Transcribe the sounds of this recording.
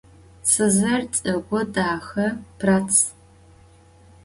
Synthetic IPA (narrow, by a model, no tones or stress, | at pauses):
sɨzɐrt͡sʼɨɡʷɔdaːxɐpʰrat͡sʰ